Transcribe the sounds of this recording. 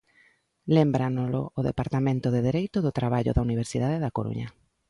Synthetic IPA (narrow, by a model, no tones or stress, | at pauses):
lembɾanoloːðepaɾt̪amẽnt̪oðeðeɾejt̪ʊðʊt̪ɾaβaʎo̰ðauniβ̞eɾsið̞aðeðakoɾṵɲɐ